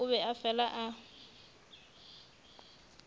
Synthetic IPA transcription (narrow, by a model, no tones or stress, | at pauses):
ʊβɛafɛlaʔa